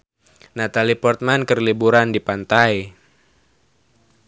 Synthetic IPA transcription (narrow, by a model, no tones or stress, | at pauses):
nat̪alipɔrt̪̚mankərlibuɾandipant̪aj